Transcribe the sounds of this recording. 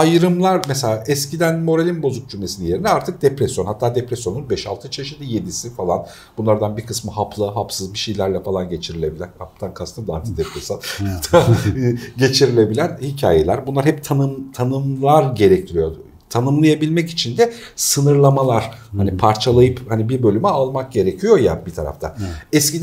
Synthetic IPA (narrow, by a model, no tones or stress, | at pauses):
ajɯɾɯmlˠaɾmɛselʲaːʔɛscid̪ænmo̞ɾalʲinbo̞zuk̚d͡ʒymʲesinɛje̞ɾinɛaɾt̪ʰɯk̚d̪epɾɛsjonhat̪ʰːaːd̪epɾesjo̞nunbɛʃa̰lˠt̪ʰɯt͡ʃʰe̞ʃit̪lʲije̞d̪isifalˠan | b̥unlˠaɾd̪anbiɾkʰɯsmɯɦapʰlˠɯɦapsɯzbiʃejlʲæɾlʲɛfalˠanɟe̞t͡ʃʰiɾilʲe̞bilʲæɾhap̚t̪ʰankʰast̪ʰamd̪aɾt̪ʰɯ̥k̚d̪epɾesjonhat̪ʰːaː | ɟe̞t͡ʃʰiɾilʲe̞bilʲænhicʰa̰ːje̞lʲæɾbunlˠaɾhɛpt̪ʰanɯmt̪ʰanɯmlˠaɾɟe̞ɾɛct̪ʰiɾijo̞ | t̪ʰanɯmlˠajabilʲmɛci̥t͡ʃʰind̪ɛ | sɯnɯɾlˠamalˠaɾ̥hanipʰaɾt͡ʃʰalˠajɯphanibiɾbø̞lʲymɛalˠmak̚ɟe̞ɾecʰijo̞jabit̪ʰa̰ɾa̰ft̪ʰa̰ɛscid̪